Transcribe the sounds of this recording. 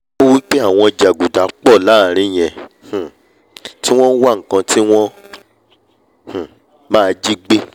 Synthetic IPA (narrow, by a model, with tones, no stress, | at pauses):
o˦wi˦k͡pe˦a˦˨w̃ɔ̃˧˨d͡ʒa˨ɡu˨da˨˦k͡pɔ˦˨la˨˦˨ɾ̃ĩ˨˦˨j̃ɛ̃˧˨h̩˨ | ti˦w̃ɔ̃˦n̩˦wa˦˨ŋ̩˨kã˧ti˦w̃ɔ̃˦ | h̩˨ | mãː˦˧d͡ʒi˦ɡ͡be˦